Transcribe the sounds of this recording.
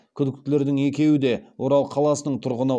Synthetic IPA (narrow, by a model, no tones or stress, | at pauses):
kʲʰʏd̪ɪk̚t̪ɪle̞ɾd̪ɪŋe̞kʲe̞wɪd̪e̞wo̞ɾɑlˠqʰɑlˠɑsənəɴt̪ʰʊɾʁənə